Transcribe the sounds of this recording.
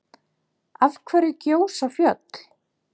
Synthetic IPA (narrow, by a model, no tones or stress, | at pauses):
alkʰvɛːɾɪcoːwsafjœt̪l̥